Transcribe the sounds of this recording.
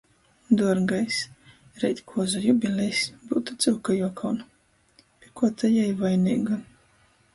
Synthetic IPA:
d̪uɔɾɡajs | ɾɛjt̪ʲkʰuɔzajubʲilʲɛjsbuːt̪ut̪sɨwkajuɔkʰawn | pʲikuɔt̪ajajvajnʲiːɡa

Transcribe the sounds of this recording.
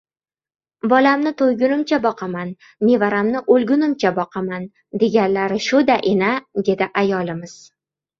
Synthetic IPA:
bɒlamnɪt̪ʰojɡʲʊnɪmt͡ʃʰabɒqʰɑman | me̞vaɾamnɪʔolɡʲʊnɪmt͡ʃʰabɒqʰɑman | d̪e̞ɡʲanlaɾɪʃʊd̪aʔɪnad̪e̞d̪ɪʔajɒlɪmɪz̥

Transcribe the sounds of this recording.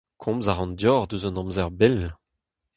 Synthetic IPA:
kʰɔ̃mzaʁɑ̃nd̪jɔʁd̪øzɔ̃nɑ̃mzɛʁbɛl

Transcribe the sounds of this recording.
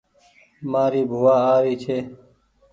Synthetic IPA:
maːɾiːbʱuwaːaːɾiːt͡ʃʰeː

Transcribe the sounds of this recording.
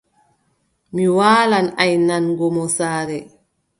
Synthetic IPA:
miwaːlanajnanɡɔmɔsaːɾɛ

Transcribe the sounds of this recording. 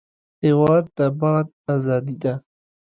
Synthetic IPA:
hewɑːd̪̚ːabaɑːd̪̚azɑːd̪id̪a

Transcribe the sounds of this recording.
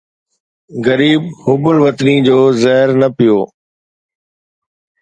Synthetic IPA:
ɣɐɾiːbhʊbəɭʋɐt̪nid͡ʑoːzɛɦɪɾnɐpɪjoː

